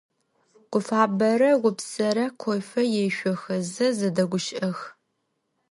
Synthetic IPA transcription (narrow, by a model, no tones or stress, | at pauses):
qʷʊfaːbɐɾɐʁʷʊpsɐɾɐqʷʰɔjfɐjɛʃʷɔxɐzɐzɐdɐɡʷʊʃʔɐx